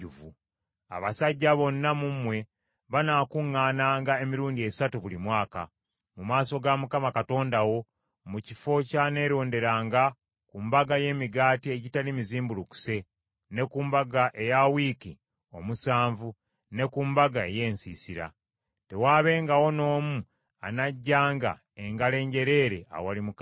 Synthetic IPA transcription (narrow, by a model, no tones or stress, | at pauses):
uvu | a̰βasaɟːaβo̞nːamumwe̞ | βanakuŋːaːnaːŋɡae̞miɾuːndie̞satuβulimwaːka̰ | mumaːso̞ɡamukamakato̞ːndawo̞ | mucifo̞cane̞ːɾo̞ːnde̞ɾaːŋɡa | kumbaɡaje̞ːmiɡaːtie̞ɟitalimiziːmbuluku̥se̞ | ne̞kuːmbaɡaʔe̞jawiːki | o̞̰musaːɱvu | ne̞kuːmbaɡae̞̰je̞ːnsḭːsiɾa̰ | te̞waːβe̞ːŋɡawo̞no̞ːmu | a̰naɟːaːŋɡa̰ | e̞ŋɡale̞ːɲɟe̞ɾe̞ːɾe̞a̰walimuk